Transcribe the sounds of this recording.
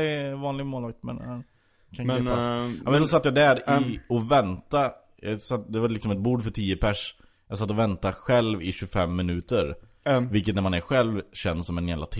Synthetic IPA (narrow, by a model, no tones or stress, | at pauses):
ɛvɑːnlɪɡmoːlɑːɡt̪mɛn | kʰanpmɛns̬ɔsat̪ːjaːd̪æɾɪɔvɛnt̪a | jɑsat̪ːd̪ɛvalɪksɔmɛt̪̚buːɖfœʈʰiːəpʰæʂ | jɑs̬at̪ːɔvɛnt̪aɧɛlvɪɕɵfɛmːɪnʉ̟ːt̪əɾ | vɪlkət̪næɾmanæɾɧɛlvɕɛnsːɔmɛnjæːvla̰t̪ʰ